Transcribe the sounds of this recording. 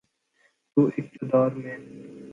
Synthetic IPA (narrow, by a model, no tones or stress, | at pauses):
t̪uːʔɪk̚t̪ɪd̪ɑːɾmẽː